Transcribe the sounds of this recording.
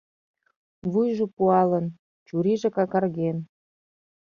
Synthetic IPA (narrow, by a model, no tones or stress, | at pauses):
βujʒopuɑlən | t͡ɕuɾiʒĕkɑkɑrɣen